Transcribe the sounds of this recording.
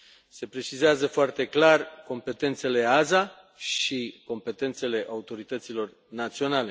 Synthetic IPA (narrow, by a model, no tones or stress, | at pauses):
se̞pɾe̞t͡ʃizeazəfoart̪e̞klarko̞mpe̞t̪e̞nt̪se̞le̞aza | ʃiko̞mpe̞t̪e̞nt̪se̞le̞ʔaut̪o̞ɾit̪ət̪silo̞r | nat̪sio̞nale̞